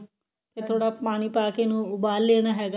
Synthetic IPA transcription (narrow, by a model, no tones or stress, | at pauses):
k̪et̪ʰoːɽaːpaːɽ̃iːpaːkeːnũːʊbaːlːeːɽ̃aːɦɛːɡaː